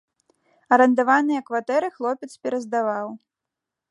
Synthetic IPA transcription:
ɐɾɐnd̪avanɨjɐkvat̪ɛɾɨxlˠɔpʲɛt̪spʲɛɾɐzd̪avaw

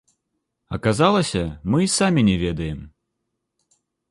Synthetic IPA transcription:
ɐkazalˠɐsʲɐmɨisamʲinʲɛvʲɛd̪ɐjɛm

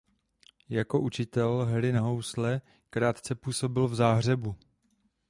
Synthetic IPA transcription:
jako̞ʔut͡ʃɪt̪ɛlɦɛɾɪnaɦo̞wslɛ | kɾaːt̪t͡sɛpuːso̞bɪlvzaːɦr̝ɛbu

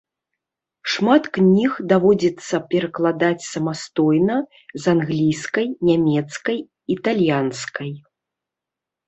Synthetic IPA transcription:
ʂmat̪knʲixd̪avɔd͡zʲɛt̪sːɐpʲɛɾɐklˠad̪at͡sʲsɐmast̪ɔjnɐ | zanɣlʲijskɐjnʲamʲɛt̪skɐj | it̪alʲjanskɐj

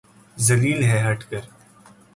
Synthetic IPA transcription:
zɐliːlɦɛɦɐʈʰkəɾ

